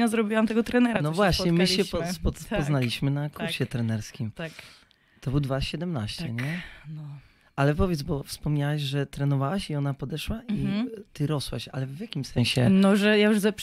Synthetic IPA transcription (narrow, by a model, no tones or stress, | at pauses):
ɲazɾɔbʲiwamt̪ɛɡɔt̪ɾɛnɛɾanɔvwaɕɲɛmɘɕɛpɔpɔspɔznalʲiɕmɘnakuɾɕɛt̪ɾɛnɛɾskʲimt̪ak | t̪ɔbɨwd̪vaɕɛd̪ɛmnaɕt͡ɕɛ̰ɲɛnɔ | alɛpɔvʲjɛt̪zbɔfspɔmɲawaʑʐɛt̪ɾɛnɔvawaɕiɔnapɔd̪ɛʂwaʔit̪ɘɾɔswa̰ɕa̰lɛvvjakʲimsɛɲ̃ɕɛnɔʐɛjajuʐzɛp